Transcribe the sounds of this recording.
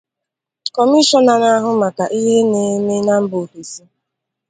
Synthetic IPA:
kɔ˨mi˦ʃɔ˦na˨na˦ɦʊ˦ma˨ka˨ʔi˦ɦe˦ne˨˦me˦na˦m̩˦bo˨fi˨si˦

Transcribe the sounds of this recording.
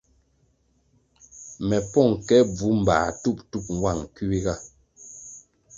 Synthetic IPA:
mɛ˨pɔ˦˨ŋkɛ˦b͡vu˨˦m̩˨ba̰ː˨tu˦˨ptu˦p̚ŋ˨wa˦˨ŋ˨ki˦wi˦ɣa˦˨

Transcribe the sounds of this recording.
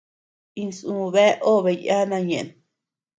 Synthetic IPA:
ĩ˧sũ˧βe˦ʔo˦βe˧ja˦nã˧ɲẽ˨ʔn

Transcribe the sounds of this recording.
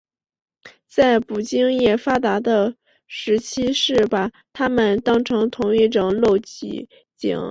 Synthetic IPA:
t͡sa˥˩ɪpu˨˩t͡ɕi˥ŋjɛ˥˩fa˥t̪a˧˥d̪ə˧ | ʂɻ̩˧˥t͡ɕʰi˥ʂɻ̩˥˩baɐ˨˩ | t̪ʰa˥mə˨nt̪ɑ˥ŋʈ͡ʂʰɤ˧˥ŋt̪ʰʊ˧˥ŋi˥˩ʈ͡ʂʊ˨˩ŋlo˥˩ʊt͡ɕḭ˧˥˩ | t͡ɕḭ˨˩˦ŋ

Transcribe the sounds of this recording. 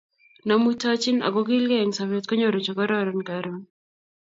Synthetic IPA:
na˨mu˦ta˦t͡ʃi˦na̰˨ɡɔ˦ɡi˦lɡɛ˦˨ŋsa˨βe˦tkɔ˦ɲo˨ɾo˨t͡ʃɔ˨ɡɔ˦ɾɔɾɔ˨nkaɾɔ˦n

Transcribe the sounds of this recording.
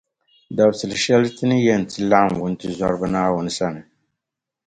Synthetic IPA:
da˨bsɨ˨lʃɛ˦ltɨ˦nɨ˦jɛ˦˨n̩˨tʰɨ˦la˦ʔm˨wʊ˦n˦tɨ˦za˦ɾbɨ˦naː˦wʊ˨n˨sa˦nɨ˨

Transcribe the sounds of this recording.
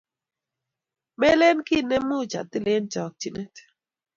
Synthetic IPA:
mɛ˦le˦nki˦nɛ˦mu˦˨t͡ʃa̰˨t̪ɪ˦le˦nt͡ʃɔ˨k̚t͡ʃi˨nɛ˦t

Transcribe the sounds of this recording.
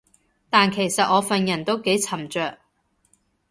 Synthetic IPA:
t̪aː˨nkʰe˨˩jsɐ˨t̚ʔɔː˨˧fɐ˨njɐ˨˩nt̪o˥wke˨˥jt͡sʰɐ˨˩mt͡ʃœː˨k̚

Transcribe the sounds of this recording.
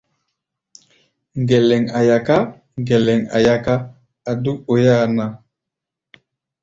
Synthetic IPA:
ŋɡɛ˨lɛ˨ŋa˨ja˨ka˦ | ŋɡɛ˨lɛ˨ŋa̰˨ja˦kaː˦˨ | du˦ko˨ja˦na˨

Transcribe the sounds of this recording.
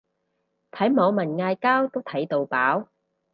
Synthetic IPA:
t̪ʰɐ˨˥jmɔː˨˧wmɐ˨˩nŋaː˧jkaː˥wt̪o˥wt̪ʰɐ˨˥jt̪o˨wpaː˨˥w

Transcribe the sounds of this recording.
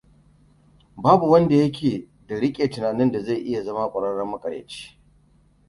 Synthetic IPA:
baː˦bu˨wɐ˦nda˨jɐ˦k̬ʲʰeː˨ | da˨ɽɪ˦kʲʼeː˨tɪ˨naː˨nɪ˦nda˨za˦˨ʔɪ˦ja˨zɐ˦ma˦kʷʼɐ˨ɽɐ˦ɽɐ˦mɐ˦kʼɐ˨ɽjḛː˨t͡ʃe̥ː˦

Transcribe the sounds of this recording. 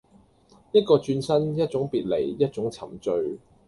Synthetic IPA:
jɐ˥t̚kɔː˧t͡ʃyː˧nsɐ˥njɐ˥t̚t͡sʊ˨˥ŋpiː˨t̚le˨˩jjɐ˥t̚t͡sʊ˨˥ŋt͡sʰɐ˨˩mt͡ʃɵ˧ɥ

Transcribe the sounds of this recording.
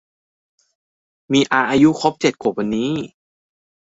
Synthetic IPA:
miː˧ʔaː˧ʔaː˧ju˦˥xʰɔ˦˥p̚t͡ɕe˨˩t̪̚kʰoː˨˩wa˧nːiː˦˥

